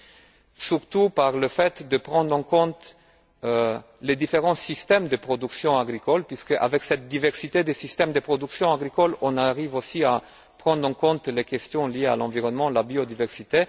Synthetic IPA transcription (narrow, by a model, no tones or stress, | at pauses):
syʁt̪upaʁləfɛt̪d̪əpχɑ̃d̪ʁɑ̃kɔ̃t̪ | led̪ifeʁɑ̃sist̪ɛmd̪əpχɔd̪yksjɔ̃aɡʁikɔlpɥiskəʔa̰vɛksɛt̪̚d̪ivɛʁsit̪ed̪esist̪ɛmd̪əpχɔd̪yksjɔ̃aɡʁikɔlɔ̃naʁivosia | pχɑ̃d̪ʁɑ̃kɔ̃t̪lekʲɛst̪jɔ̃liea̰lɑ̃viʁɔnmɑ̃labiod̪ivɛʁsit̪e